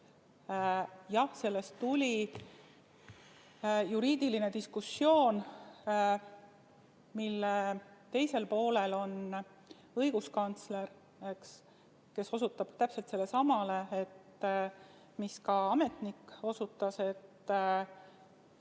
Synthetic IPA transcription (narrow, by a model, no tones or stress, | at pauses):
jɑhse̞lːe̞st̪ːulʲi | juɾiːd̪̥iline̞t̪iskusːjo̞ːn | milːet̪e̞jse̞lpo̞ːle̞lo̞n | ɤjɡ̥uskɑnt̪sle̞r | ks | ke̞so̞sut̪ːˑɑb̥t̪æpse̞lt̪se̞lːe̞sɑmɑle̞et̪ | miskɑɑme̞t̪nikːo̞sut̪ːˑɑse̞t̪